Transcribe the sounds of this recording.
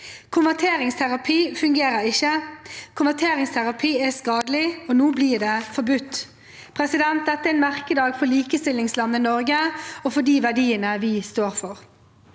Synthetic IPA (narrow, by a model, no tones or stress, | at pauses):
kʰʊnʋæt̪ʰeːɾɪŋst̪ʰæɾɑpʰiːfʉŋɡeːɾəɾɪçːəkʰʊnʋæt̪ʰeːɾɪŋst̪ʰæɾɑpʰiːɛskɑːd̪əlɪɔnuːbliːd̪ɛfɔɾbʉt̪ː | pʰɾɛsɪd̪ɛnt̪̚d̪ɛt̪ːəɛnmæʁkəd̪ɑːɡfɔliːkəst̪ɪlɪŋslɑnːənɔɾɡəɔfɔd̪iːʋæɖiːənəʋɪst̪oːɾfɔʁ